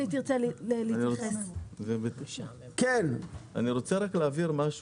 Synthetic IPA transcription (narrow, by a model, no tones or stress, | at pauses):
it̪iʁt͡sellelinioezebet̪iʃa | kena̰niʁot͡seʁakleːviʁmaʃ